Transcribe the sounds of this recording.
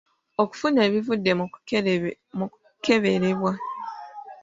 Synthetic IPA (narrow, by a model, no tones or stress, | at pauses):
oku̥funeβivude | m | keβeɾeβwa